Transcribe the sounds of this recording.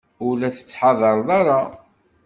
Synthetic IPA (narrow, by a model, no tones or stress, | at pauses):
ʊlæθə̥t͡sːħɑðˤəɾˤðˤɑɾˤɑ